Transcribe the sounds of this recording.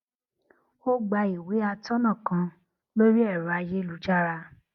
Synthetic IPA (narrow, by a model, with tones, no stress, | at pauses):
o˦ɡ͡ba˧i˨we˨˦a˧tɔ˦nã˦˨kã˧ | lo˦ɾi˦ɛ˦˨ɾa˧je˦lu˨˦t͡ʃa˦ɾa˧